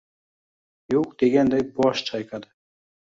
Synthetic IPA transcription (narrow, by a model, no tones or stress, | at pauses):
joqd̪̥eɡʲand̪ajbɒʃt͡ʃʰɑjkʰɑd̪ɨ